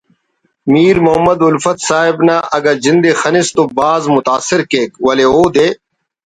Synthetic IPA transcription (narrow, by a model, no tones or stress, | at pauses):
miːɾmʊɦɐmːɐd̪ʊlfɐt̪saːɦɪbnaːʔɐɡɐɾzɪnd̪eːxɐnɪst̪oːbaːzmʊt̪aːsːɪɾkeːkʋɐleːoːd̪eː